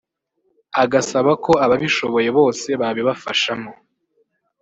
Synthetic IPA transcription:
aɡasaβako̞aβaβiʃo̞βo̞je̞βo̞ːse̞βaβiβafaʃamo

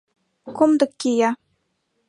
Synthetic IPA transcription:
komd̪ɤ̆kʲːijɑ

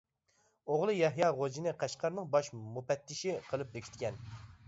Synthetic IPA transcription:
oʁlˠɨjɛɦjɑʁod͡ʒinɨqʰæʃqʰɑɾnɨŋbɑʃmupɛt̪ːɪʃiqʰəlˠɨp̚d̪ekʲʰi̥t̪̚kʲʰɛn

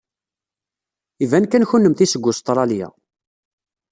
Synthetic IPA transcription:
ivænkænçunːəmθisəɡʷːʊst̪ˤɾˤɑljæ̰

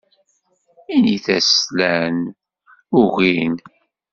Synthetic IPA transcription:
iniθæslæn | ʊʁin

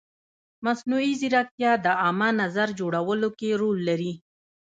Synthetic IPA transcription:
masnuiziɾak̚t̪jɑd̪əamanazaɾd͡ʒoɽawəlokeɾolːaɾi

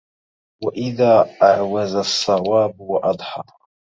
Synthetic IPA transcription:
waʔɪðaːʔaʕwazasˤːɑwaːbwɑʔɑd̪ˤħɑ̰ː

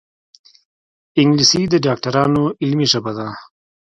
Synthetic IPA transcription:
ɪŋɡlisid̪əɖɑːk̚ʈɐɾɑːnoɪlmiʐɐbad̪aː

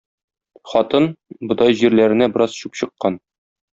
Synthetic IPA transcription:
χɒt̪ɤnbɤ̆d̪ɑjʑiɾlæɾɘ̆næbɘɤ̆ɾɑz̥ɕupɕɤ̆qːɑn

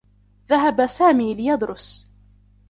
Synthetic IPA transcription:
ðaɦabasaːmiːlɪjɑd̪ɾʊs

